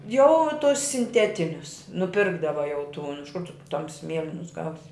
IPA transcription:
jɛʊ tʊs sʲɪnʲˈtʲæːtʲɪnʲʊs nʊˈpʲɪrɡdɐʋɐ jɛʊ tuːn ɪʃ kʊr tʊ ˈtɐmʲsʲɪ ˈmʲiɛlʲɪnʊs ˈɡɐʊsʲɪ

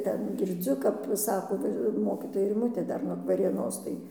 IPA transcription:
ˈtʲɛn ɡʲɪrʲˈd͡zʲʊ kɐp ˈsɑːkoː ˈʋɐ ɪr ˈmoːkʲiːtoːjɛ rʲɪˈmʊtʲeː ˈdɐr nuɔk ʋɐrʲeːˈnoːs tɐɪ

